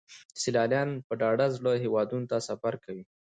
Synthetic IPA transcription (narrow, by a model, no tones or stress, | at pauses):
sɪlɑljɑnpəɖɑɖazɽəɦewɑd̪unot̪asafaɾkawi